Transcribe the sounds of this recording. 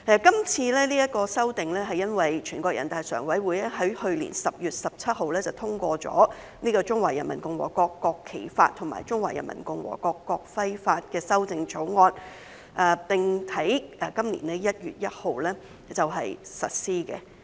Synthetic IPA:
ɛː˨˧kɐ˥mt͡sʰiː˧lɛː˥niː˥jɐ˥t̚kɔː˧sɐ˥wt̪ɪ˨ŋlɛː˥ɦɐ˨jɐ˥nwɐ˨jt͡ʃʰyː˨˩nkɔː˧k̚jɐ̰˨˩nt̪aː˨jsœ̰ː˨˩ŋwɐ˨˥jwuː˨˧jlɛ˥ɦɐ˨˥jhɵ˧ɥlḭː˨˩nsɐ˨p̚jyː˨t̚sɐ˨p̚t͡sʰɐ˥t̚ɦo˨wlɛː˥t͡sɐ˨wt̪ʰʊ˥ŋkʷɔː˧t͡sɔ̰ː˨˥ | niː˥kɔː˧t͡sʊ˥ŋwaː˨˩jɐ˨˩nmɐ̰˨˩nkʊ˧ŋwɔ̰ː˨˩kɔː˧kːɔː˧kʰːe˨˩jfa̰ː˧t̪ʰʊ˨˩ŋma̰ː˨˩jt͡sʊ˥ŋwaː˨˩jɐ˨˩nmɐ̰˨˩nkʊ˨˧ŋwɔ̰ː˨˩kɔː˧kːɔː˧k̚fɐ˥jfaː˧t̚kɛː˧sɐ˥wt͡sɪ˧ŋt͡so˨˥wŋɔː˧n | ʔɛː˨˩t̪ɪ˨ŋt̪ʰɐ˨˥jʔɛː˨˩kɐ˥mlḭː˨˩nɛ˥jɐ˥t̚jyː˨t̚jɐ˥t̚ho˨wlɛː˥ | t͡sɐ˨wɦɐ˨jsɐ̰˨t̚siː˥kɛ̰˧

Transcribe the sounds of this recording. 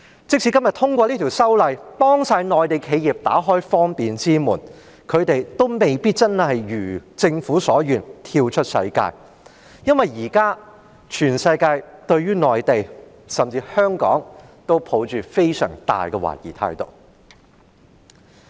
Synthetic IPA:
t͡sɪ˥k̚sʰiː˨˧kɐ˥mjɐ˨t̪ʰʊ˥ŋkʷɔː˧liː˥t̪ʰi˨˩wsɐ˥wlɐ˨˧jpɔː˥ŋsaː˧jnɔː˨jt̪e˨jkʰe˨˧jjiː˨p̚t̪a̰ː˨˥ɦɔː˥jfɔː˥ŋpiː˨nt͡siː˥muː˨˩n | kʰɵ˨˧t̪e˨jt̪o˥wme˨jpiː˥t̚t͡sɐ˥nhɐ˨jɥyː˨˩t͡sɪ˧ŋfuː˨˥sɔː˨˥jyː˨˩nt̪ʰiː˧wt͡ʃʰɵ˥t̚sɐ̰˧jka̰ː˧j | jɐ˥nwɐ˨˩jiː˨˩kaː˥ | t͡ʃʰyː˨˩nsɐ˧jkaː˧jt̪ɵ˧ɥɥyː˥nɔː˨jt̪e˨j | sɐ˨mt͡siː˧hœː˥ŋkɔ̰ː˨˥ŋt̪o˥wpʰo˨˥wt͡ʃyː˨fe˥jsœ̰ː˨˩ŋt̪a̰ː˨jkɛ˧wa̰ː˨˩jḭː˨˩t̪ʰa̰ː˧jt̪o̰˨˩w

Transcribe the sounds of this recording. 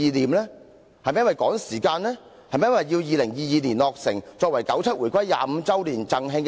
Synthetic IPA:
iː˨˧liː˨˩mlɛː˥ | hɐ˨jmɛ˦jnwɐ˨jkɔː˨˥ŋsiː˨˩kaː˧nlɛː˥ | hɐ˨jmɛ˧˦jwɐ˨jjiː˧wjiː˧lɪ˨˩ŋjiː˧jiː˨˧liː˨˩nlɔː˨k̚sɪ˨˩ŋt͡sɔː˧k̚wɐ˨˩jkɐ˨˥wt͡sʰɐ˥t̚wuː˨˩jkʰʷɐ˥jːa̰ː˨˧m̩˨˧t͡sɐ˥wliː˨˩nt͡sɐ˨ŋɦɪ˧ŋk

